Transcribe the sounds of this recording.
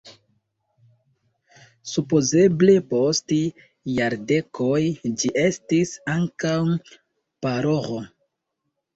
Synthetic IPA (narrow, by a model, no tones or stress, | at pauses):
supo̞ze̞ble̞post | jaɾde̞kʰo̞jd͡ʒiʔe̞stisaŋkaw | paɾo̞ʁo